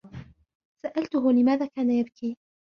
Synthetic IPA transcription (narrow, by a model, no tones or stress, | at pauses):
saʔalt̪ʊɦʊlɪmaːðaːkaːnajabkiː